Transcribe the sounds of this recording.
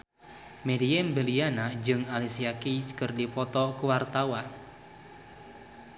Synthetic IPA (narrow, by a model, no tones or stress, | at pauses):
mediɛmbəlianad͡ʒɨŋalisiakiskərdipɔt̪ɔkuwart̪awan